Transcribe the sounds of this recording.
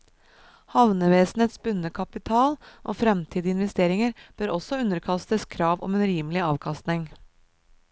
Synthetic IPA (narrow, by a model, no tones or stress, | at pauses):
hɑʋnəʋeːsn̩eːt̪sbʉnəkʰɑpɪt̪ʰɑːlʔo̰ːfɾɛmt̪ʰiːd̪əɪnʋɛst̪eːɾɪŋəɾb̥œːɾɔsɔʉnːəɾkʰɑst̪əskʰɾɑːʋɔ̰mɛːnɾiːməlɪɑːʋkʰɑst̪nɪŋ